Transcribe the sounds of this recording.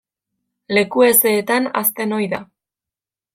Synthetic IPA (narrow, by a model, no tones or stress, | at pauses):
le̞kue̞se̞ːt̪ana̰st̪e̞no̞jða